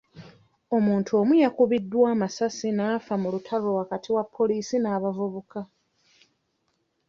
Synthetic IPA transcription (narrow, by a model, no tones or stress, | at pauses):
o̞muːntʰuo̞mujakuβidːwaːmasasinaːfamulutʰaloakatʰiwapʰːo̞liːsinaːβavuβuka